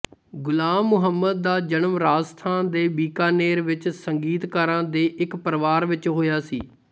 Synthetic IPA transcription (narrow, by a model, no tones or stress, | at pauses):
ɡʊlaːmːʊɦəmːəd̪̚ːaːd͡ʒənəmɾaːd͡ʒst̪ʰaːnd̪eːbiːkaːneːɾʋɪt͡ʃsəŋɡiːt̪kaːɾãːd̪eːʔɪkpəɾʋaːɾʋɪt͡ʃɦoːjaːsḭː